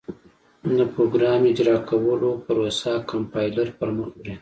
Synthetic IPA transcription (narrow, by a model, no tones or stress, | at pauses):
d̪əpɾoɡɾɑmɪd͡ʒɾɑkʰawəlopaɾosakampɑjlaɾpəɾməxɽi